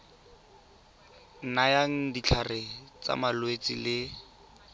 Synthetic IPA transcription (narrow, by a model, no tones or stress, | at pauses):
najaŋ̩dit͡ɬʰarɪt͡sa̰malwet͡silɪ